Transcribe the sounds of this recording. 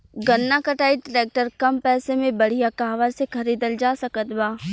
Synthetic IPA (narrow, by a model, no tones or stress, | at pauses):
ɡɐnːakɐʈaːiɖɪɾeːk̚ʈəɾkɐmpɛːsemẽbɐɽ̤ijakaːʋəɾsekʰɐɾiːd̪əld͡ʒaːsɐkət̪baː